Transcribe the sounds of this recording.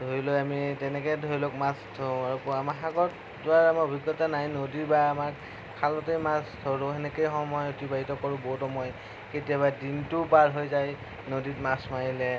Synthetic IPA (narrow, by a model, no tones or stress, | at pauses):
dʱoɹilojamitɛnɛkɛdʱoɹilok̚mastʰɔ̃aɹkamaɦaɡɔt | zʊaɹamaobʱiɡɔtanajnodiɹbaːmak | kʰalɔtejmastʰɔɹʊɦɛnɛkejxɔmɔjotibaɦitɔkɔɹʊ̃boɦtɔmɔj | ketijaβadintʊpaɹɦojzaj | noditmasmajilɛ